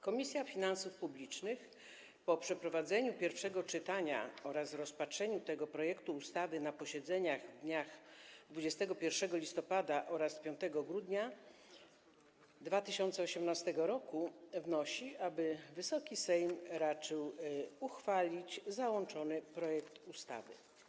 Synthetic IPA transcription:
kɔmʲisʲjafʲinansufpublʲit͡ʂnɘx | pɔpʂɛpɾɔvad̪zɛɲupʲjɛɾfʂɛɡɔt͡ʂɘt̪aɲa̰ɔɾasɾɔspatʂɛɲut̪ɛɡɔpɾɔjɛkt̪uːst̪avɘnapɔɕɛd̪zɛɲaɣvd̪ɲaxd̪vud͡ʑɛst̪ɛɡɔpʲjɛɾfʂɛɡɔlʲist̪ɔpad̪aʔɔɾaspʲjɔ̃nt̪ɛɡɔɡɾud̪ɲa | d̪vat̪ɘɕɔnt̪sɛɔɕɛmnast̪ɛɡɔɾɔkuvnɔɕiʔabɘvɘsɔkʲisɛjmɾat͡ʂɘwuxfalʲit͡ɕzawɔnt͡ʂɔnɘpɾɔjɛkt̪ust̪a̰vɘ̰

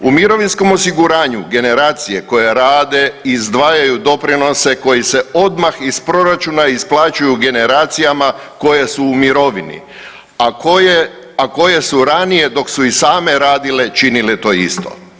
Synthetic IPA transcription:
umiɾo̞ʋinsko̞mo̞siɡuɾaːɲuɡe̞ne̞ɾaːt̪sije̞ko̞je̞ɾaːd̪e̞izd̪ʋaːjajud̪o̞pɾino̞se̞ko̞jise̞o̞d̪maxispɾo̞ɾat͡ʃunaisplˠaːt͡ʃujuɡe̞ne̞ɾaːt̪sijamako̞je̞suːmiɾo̞ʋinḭ | akoje | ako̞je̞suɾanije̞d̪o̞ksuisaːme̞ɾaːd̪ile̞t͡ʃinilet̪o̞ːḭst̪o̰

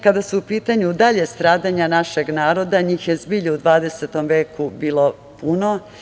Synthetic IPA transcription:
kad̪asuupiːt̪aɲud̪aʎe̞st̪ɾaːd̪aɲanaʃeɡnaːɾo̞d̪aɲiːxjezbiːʎuud̪ʋaːd̪e̞se̞t̪o̞mʋe̞ːkubiːlˠo̞ | puno̞

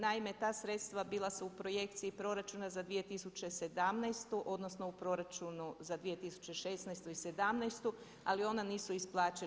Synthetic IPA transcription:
naimet̪aːsɾe̞t̪st̪ʋabilˠasuupɾo̞je̞k̚t̪siipɾo̞ɾat͡ʃunazad̪ʋije̞t̪isut͡ɕe̞se̞d̪amnajst̪uʔo̞d̪nosno̞upɾo̞ɾat͡ʃunuzad̪ʋije̞t̪isu̥t͡ɕe̞ʃe̞snajst̪uise̞d̪amnɛjst̪u | alio̞naniːsuisplˠaːt͡ʃe

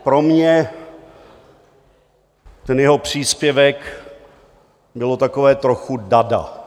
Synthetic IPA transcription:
pɾo̞mɲɛ | t̪ɛnjɛɦo̞pr̝̥iːspjɛvɛk | bɪlo̞t̪akovɛːt̪ɾoxudada̰

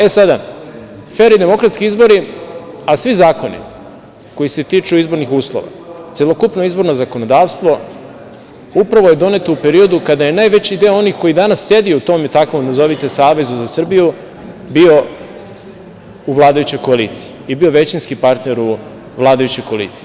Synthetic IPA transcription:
e̞sad̪a | feɾid̪e̞mo̞kɾat̪skiizbo̞ɾiasʋizaːko̞nḭ | ko̞jise̞t̪iːt͡ʂuizbo̞ɾnixuːslˠo̰ʋa̰t̪selˠokupnoizbo̞ɾno̞zako̞no̞d̪aːʋst̪ʋo̞ | upɾaʋoje̞d̪o̞ne̞t̪oupe̞ɾio̞d̪ukad̪aje̞naːjʋe̞t͡ɕid̪eoo̞nixko̞jid̪anasːje̞d̪iuut̪o̞ːmet̪akʋomd̪azo̞ʋit̪e̞saːʋe̞zuzasr̩biju | bio̞ | uʋlˠaːd̪ajut͡ɕo̞jko̞aliːt̪si̥iibio̞ʋe̞t͡ɕinskipaɾt̪ne̞ɾu | ʋlˠaːd̪ajut͡ɕo̞jkoalḭt̪si̥i

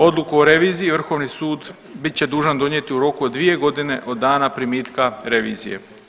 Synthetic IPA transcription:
o̞d̪lˠukuoɾe̞ʋiːzijiʋr̩xo̞ːʋnisuːd̪ | bit̪̚t͡ɕe̞d̪uːʒand̪o̞ɲje̞t̪iuɾo̞kuod̪ːʋije̞ɡo̞d̪ine̞ʔo̞d̪ːaːnapɾimiːt̪kaɾe̞ʋḭːzije̞̰

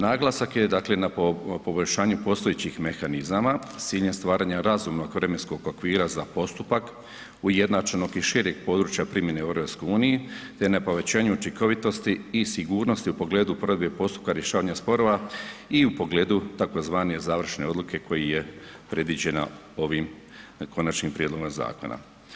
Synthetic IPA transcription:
naːɡlˠasakje̞d̪aːkle̞napo̞bo̞ʎʲʃaːɲupo̞st̪ojet͡ɕixme̞xanizamasiːʎɲest̪ʋaːɾaːɲaɾazumno̞ɡʋɾe̞mensko̞ɡokʋiːɾazapo̞st̪upak | uje̞d̪nat͡ʃano̞ɡiʃiɾje̞ɡ̚po̞ːd̪ɾuːt͡ʃjapɾimjeneeɾopskouːnijet̪e̞napoʋe̞t͡ɕaːɲuut͡ʃiŋko̞ʋit̪o̞st̪iːsiɡuːɾno̞st̪iupo̞ɡleːd̪upoɾd̪bepo̞st̪u̥p̚kaɾje̞ʃaːʋaɲaspo̞ɾo̞ʋaiupo̞ɡle̞ːd̪ut̪ako̞zʋaːnezaːʋr̩ʃne̞o̞d̪lukʰe̞kʰo̞jijepɾe̞d̪ʋid͡ʑe̞na̰ | o̞ʋim | kʰo̞nat͡ʃnimpɾije̞d̪lo̞ɡomza̰ːko̞̰na̰

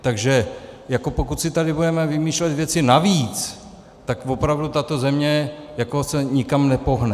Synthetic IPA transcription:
t̪aɡʒɛjako̞pokut̪sɪt̪adɪbudɛmɛvɪmiːʃlɛt̪vjɛt͡sɪnaviːt͡s | t̪akvo̞pɾavdut̪at̪o̞zɛmɲɛjako̞sɛɲɪkamnɛpo̞ɦnɛ

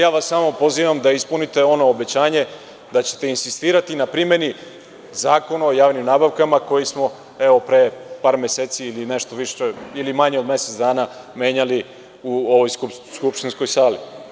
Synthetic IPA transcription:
jaːʋasːaːmo̞po̞ziːʋamd̪aispunit̪e̞o̞no̞ːbe̞t͡ɕaːɲe̞ | d̪at͡ɕe̞̥t̪e̞insist̪iːɾat̪inapɾime̞ni | zaːko̞naojaːʋnimnaːbaʋkamako̞jismo̞ | eo̞pɾepaːɾmeseːt̪siːline̞ʃt̪o̞ʋiʃeilimaɲeo̞d̪me̞set̪zd̪aːna | me̞ːɲali | uoʋojsuskupʃt̪inskojsaːli

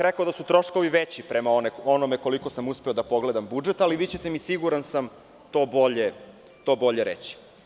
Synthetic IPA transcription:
ɾekaod̪asut̪ɾo̞ʃko̞ʋiʋet͡ɕipɾe̞maoneonomeko̞liko̞samuspeo̞d̪apo̞ɡle̞d̪ambud͡ʒe̞t̪aliʋiːt͡ɕe̞t̪emisiɡuɾansam | t̪o̞ːbo̞ʎe | t̪o̞ːbo̞ʎe̞ɾḛt͡ɕi̥

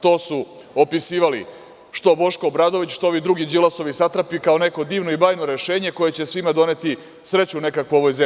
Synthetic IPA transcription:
t̪o̞ːsuopisiːʋali | ʃt̪o̞bo̞ʃkoːbɾaːd̪oʋit͡ɕʃt̪ooʋid̪ɾuɡid͡ʒilˠaso̞ʋisat̪ɾapikao̞ne̞ko̞d̪iːʋnoibaːjnoɾe̞ʃe̞ːɲe̞ko̞jet͡ɕe̞sʋimad̪o̞ne̞t̪i | sɾe̞t͡ɕune̞kakʋuoʋo̞jze

